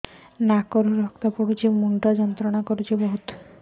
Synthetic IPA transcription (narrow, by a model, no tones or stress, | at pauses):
nakɔɾuɾɔkt̪apɔɽut͡ʃʰimuɳʈad͡ʒɔnt̪ɾɔɽ̃akɔɾut͡ʃʰibɔɦut̪